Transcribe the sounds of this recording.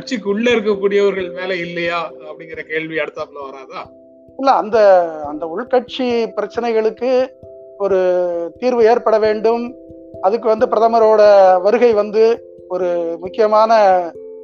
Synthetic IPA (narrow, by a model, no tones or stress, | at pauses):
ɐʈ̚t͡ʃɪk̬ːʊɭːɐɪɾɯk̬ːɐkːuːɽɪjɐʋɐɾɣɐɭmeːlɛɪlːɐjaːɐpːɐɽɪŋɡɪɾɐkeːɭʋiɐɽɯt̪ːaːpɐnːɐʋɐɾaːðaː | ɪlːɐɐ̰nd̪ɐɐnd̪ɐʊɭkɐʈ̚t͡ʃipɪɾɐt͡ʃːɐnɐɪɣɐɭɯkːɯ | ɔɾɯt̪iːɾʋɯeːɾpɐɽɐʋeːɳɖɯm | ɐðɯkːɯʋɐnd̪ɯpɪɾɐðɐmɐɾoːɽɐʋɐɾɯɣɐɪʋɐnd̪ɯ | ɔɾɯmʊkːɪjɐmaːnɐ